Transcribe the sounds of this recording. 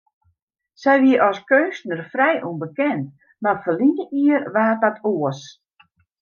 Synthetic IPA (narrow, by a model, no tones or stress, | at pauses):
sɛjʋiəʔɔskøːstnərfrɛjʔunbəkɛnt | mafəlinəʔiərʋaːət̚datʰoəs